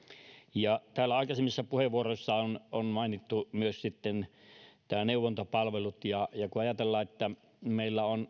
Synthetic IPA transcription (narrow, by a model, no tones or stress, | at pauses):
jɑt̪æːlːæɑˑikɑsemːisːɑpuheʋʋˑuoroˑisːɑononmɑˑinit̪ːumyøssit̪ːen | t̪æːneˑuʋˑont̪opɑlʋelut̪jɑjɑkuɑjɑt̪elːɑːet̪ːæ | meˑilːæon